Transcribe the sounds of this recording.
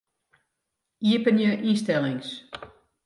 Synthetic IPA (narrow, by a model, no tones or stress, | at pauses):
iəpənjəʔistɛlɪŋs